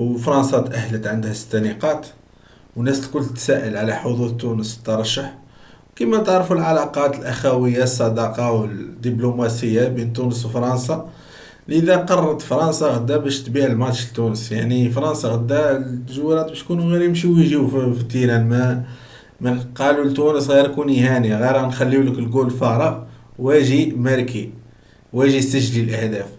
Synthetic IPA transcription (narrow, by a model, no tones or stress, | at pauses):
wfɾˤɑnsɑt̪ʔæhːlət̪ʕənd̪hæsə̥t̪ːæniqɑt̪ | wnːæslkʊlːət̪sæʔəlʕlæħod̪ˤud̪t̪ːunəst̪ːɑɾˤɑʃːəħ | wkimæt̪əʕɾˤfulʕalɑqɑt̪əlʔæxæwəjːasˤːɑd̪ɑqɑwəd̪ːiblumæsəjːabint̪ːunəs̬wfɾˤɑnsɑ | lʔəd̪æqɑrˤːɑt̪fɾˤɑnsɑɣəd̪ːæbæʃt̪biʕəlmɑt̪ʃəlt̪ːunəsjaʕnifɾˤɑnsɑɣəd̪ːæt̪ːəʒwːiɾɑt̪̚bæʃt̪kunuɣiɾjəmʃiwiʒiffit̪ːinænmæ | mæqɑlult̪unəsɣiɾkunihæniɣiɾnxælːiwləklɡulfɑɾˤɑ | wæʒimæɾki | wæʒist̪əʒlilʔəhd̪æf